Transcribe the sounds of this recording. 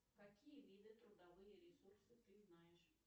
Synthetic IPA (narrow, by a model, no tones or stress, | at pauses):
kakʲijɐvʲid̪ɨt̪ɾud̪avɨjɐɾʲɛsursɨt̪ɨznajɛʂ